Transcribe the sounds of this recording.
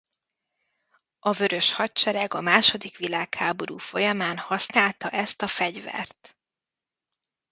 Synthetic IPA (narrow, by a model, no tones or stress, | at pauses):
ɒvø̞ɾø̞ʃhɒt͡ʃɛɾɛɡɒmaːʃo̞d̪ikʋilaːkhaːbo̞ɾuːfo̞jɒmaːnhɒsnaːlt̪ɒʔɛst̪ɒfɛɟvɛ̰rt̪